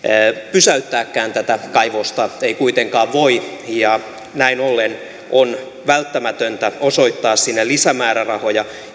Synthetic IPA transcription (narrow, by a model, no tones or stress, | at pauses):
pysæyt̪ːæːkːæːnt̪æt̪ækɑiʋost̪ɑeikuit̪eŋkɑːʋʋoijɑ | næinolːen | ʔon | ʋælt̪ːæmæt̪ønt̪æoso̞it̪ːɑːssinːelisæmæːɾærɑhojɑ